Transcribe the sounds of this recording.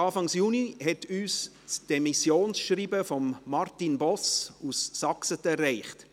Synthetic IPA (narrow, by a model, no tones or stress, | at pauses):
ɑːfɑŋsjuːnihɛtyːs | t͡sd̥ɛmisjoːnsʃɾiːbəfɔmːɑrtinbɔsussɑksətɛrːɛɪχt